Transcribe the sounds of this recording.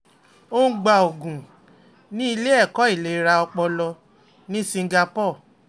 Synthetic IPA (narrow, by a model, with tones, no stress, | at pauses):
o˦n̩˦ɡ͡ba˧˨o˨ɡũ˨ | nĩ˦i˧le˦ɛ˦˨kɔ˨˦i˦˨le˨˦ɾa˧ɔ˧k͡pɔ˧lɔ˧ | nĩ˦sĩ˧˦ɡa˧pɔ˦˨